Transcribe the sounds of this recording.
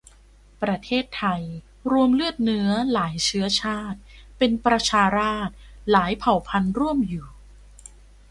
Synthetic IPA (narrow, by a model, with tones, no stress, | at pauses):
pɾa˧t̪ʰeː˥˩t̪ʰːa˧j | ɾu˧əmlɯ˥˩ət̪̚nɯ˦˥ɐlaː˩˦jt͡ɕʰɯ˦˥ɐt͡ɕʰaː˥˩t̪̚pe˧npɾa˧t͡ɕʰaː˧ɾaː˥˩t̪̚laː˩˦jpʰa˨˩wpʰa˧nɾu˥˩əmjuː˨˩